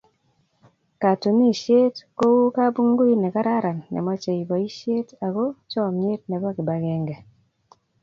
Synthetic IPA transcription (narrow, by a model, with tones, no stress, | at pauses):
ka˨tu˨mi˦˨ʃje˦tko˦wu˦ka˦bu˦ŋɡo˦i˦nɛ˨ka˦ɾa˦ɾa˨nːɛ̰˨mɔ˦t͡ʃe˨i˨bɔ˨i˦ʃje˦ta˨ɡo˦t͡ʃɔ˦˨me˦t̚nɛ˨bɔ˦ki˨ba˨ɡɛ˦ŋɡɛ˨